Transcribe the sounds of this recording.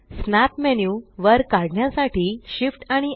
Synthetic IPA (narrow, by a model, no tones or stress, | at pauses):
snat̪mɛnjuʋəɾkaɽɳjasaʈʰiːɕifʈaɽ̃i